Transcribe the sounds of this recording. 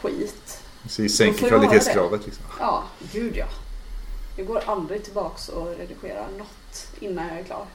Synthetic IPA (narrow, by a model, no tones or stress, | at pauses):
ɧḭːt̪ | ɛsisːɛŋkkvalɪt̪ʰeːtsɡɾɑːvət̪ʰlɪksɔmjɑːɡʉ̟ːd̪jɑː | d̪ɛɡoːɾʔald̪ɾɪt̪ʰɪlbɑːksɔɾɛd̪ɪɧeːɾa̰ɳɔt̪ːʔɪnːanjɑːɛɾkʰlɑ̰ːɾ